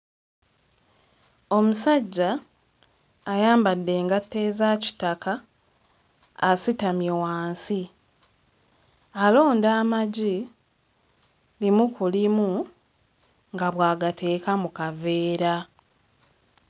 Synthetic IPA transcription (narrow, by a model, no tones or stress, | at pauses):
o̞musaɟːa | jaːmbadːe̞ːŋɡatːe̞ːzaːci̥taka | sitamjewaːnsi | alo̞ːndaːmaɟi | limukulimu | ŋɡaβwaːɡatʰe̞ːkamukave̞ːɾa